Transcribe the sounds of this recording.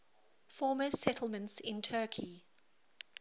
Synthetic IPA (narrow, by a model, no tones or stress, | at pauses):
fɔːməsɛtʰl̩ˠmə̃ntsɪ̃ntʰɜːˑkʰi